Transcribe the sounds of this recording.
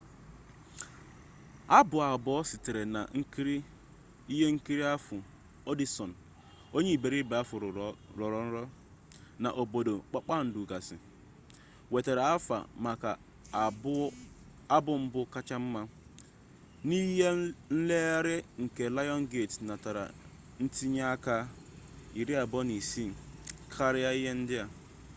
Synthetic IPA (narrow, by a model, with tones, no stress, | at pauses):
a˦bʊ˨a˨bɔ˦sɪ˨te˨ɾe˨na̰˨ŋ̩˦kɾi˦ | i˦ɦe˦ŋ̩˦ki˦ɾi˦a˦fʊ˨ | o˦di˦sɔ˨n̩˨ | o˦ɲe˦i˨be˨ɾi˦be˨˦a˦fʊ˨ɾʊ˨˦ɾɔ˨ɾɔ˨n̩˦ɾɔ˦ | na̰˨ʔo˨bo˨do˨k͡pa˦k͡pa˦˨n̩˨du˨ɡa˨sɪ̰˨ | we˨te˨ɾe˨a˦fa̰˨ma˨ka˨˦ | a˦bʊ˦m̩˦bʊ˦ka˦t͡ʃa˦m̩˦ma˦ | ni˦ɦe˦n̩˦le˦ɾɪ˦ŋ̩˨ke˨la˦jɔ˦n˦ɡe˦˨tna˨ta˨ɾa̰˨ | n̩˦ti˦ɲa˦a˦ka˦ | i˨ɾi˦a˨bɔ˦ni˨si˦m̩˨kʰa˦ɾɪ˦a˦i˦ɦe˦n̩˦dɪ˦a˨